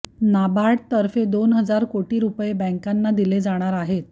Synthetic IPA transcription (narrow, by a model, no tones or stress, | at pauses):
nabaɽt̪əɾfed̪onɦəd͡zaɾkoʈiːɾupjebə̃ŋkanːad̪iled͡zaɽ̃aɾaɦet̪̚